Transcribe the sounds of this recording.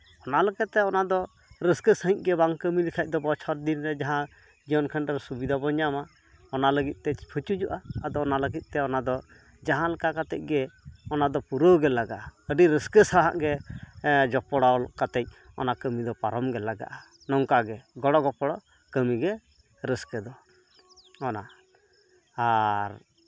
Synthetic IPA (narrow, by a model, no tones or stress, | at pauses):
ɔnaləkɛt̪ːɛɔnad̪ɔ | ɾəskəsəɦĩc̚ɡɛbaŋkəmilikʰac̚d̪ɔbɔt͡ʃʰɔɾd̪inɾɛd͡ʒaɦã | d͡ʒiɔnkʰandɛɾsubid̪ʱabɔɲama | ɔnaləɡit̪̚ˀt̪ɛt͡ʃpʰət͡ʃud͡ʒuʔaːd̪ɔɔnaləɡit̪̚ˀt̪ɛɔnad̪ɔ | d͡ʒaɦãlɛkakat̪ɛc̚ɡɛɔnad̪ɔpuɾoɡɛlaɡaʔaəɖiɾəskəsaɦa̰ʔɡɛ | d͡ʒɔpɔɽɔlɔʔkat̪ɛc̚ɔnakəmid̪ɔpaɾɔmɡɛlaɡa̰ʔa | nɔŋkaɡɛɡɔɽɔɡɔpɔɽɔ | kəmiɡɛ | ɾəskɛd̪ɔ | ɔna | aɾ